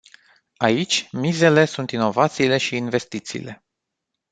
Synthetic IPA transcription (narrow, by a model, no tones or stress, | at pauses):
ait͡ʃʲmize̞le̞sunt̪ino̞vat̪siːle̞ʃiːnve̞st̪it̪sḭːle̞